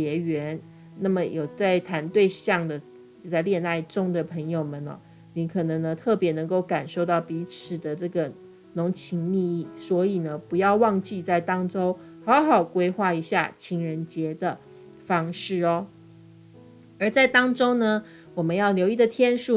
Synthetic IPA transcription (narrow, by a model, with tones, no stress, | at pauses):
ɛ˧˥ɥɛ˧˥n | na˥˩mə˨jo˨˩ʊt͡sa˥˩ɪt̪ʰa˧˥nt̪we˥˧ɪɕjɑ˥˩ŋd̪ə˩ | o˧t͡sa˥˧ɪljɛ˥˧na˥˩ɪʈ͡ʂʊ˥ŋd̪ə˨pʰə˧˥ŋjo˨˩ʊmə˨˩nɐ̰˨˦ | ni˧˥kʰɤ˨˩nɤ˧˥ŋnə˧t̪ʰɤ˥˩pjɛ˧˥nɤ˧˥ŋko˥˩ʊka˨˩nʂo˥˧ʊt̪ɑ˥˩ʊpi˧˥t͡sʰɹ̩˨˩d̪ə˦ʈ͡ʂɤ˥˩ɡə˩ | nʊ˧˥ŋt͡ɕʰi˧˥ŋmi˥˧i˥˩swɔ˧˥i˨˩nə˦pu˧˥jɑ˥˧ʊwɑ˥˧ŋt͡ɕi˥˧t͡sa˥˩ɪt̪ɑ˥ŋʈ͡ʂo˥ʊ | hɑ˧˥ʊxɑ˨˩ʊkwe˥ɪxwa˥˩i˧˥ɕja̰˥˩t͡ɕʰi˧˥ŋɻə˧˥nt͡ɕjɛ˧˥d̪ə˨ | fɑ˥ŋʂɻ̩˥˩ɔ˦ | ə˧˥t͡sa˥˩ɪt̪ɑ˥ŋʈ͡ʂo˥ʊnə˨ | wɔ˨˩mə˦njɑ˥˩ʊljo˧˥ʊi˥˩d̪ə˨t̪ʰjɛ˥nʂu˥˩